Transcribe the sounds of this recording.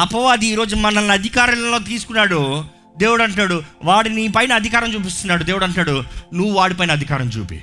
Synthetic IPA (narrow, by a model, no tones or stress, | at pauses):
ɐpɐʋaɐd̪iːɾo̞ːd͡ʒumɐnɐlːɐd̪ʱikaːɾɐlɐlo̞ːt̪̬iːsu̥kunːaːɽu | d̪e̞ːʋuɽɐɳʈaːɽuʋaːɽinipɐjnɐɐd̪ʱikaːɾɐmt͡ʃuːp̬ist̪unːaːɽud̪eːʋuɽɐɳʈaːɽunuʋːuʋaːɽipɐjnɐd̪ʱikaːɾɐmt͡ʃṵːpḭː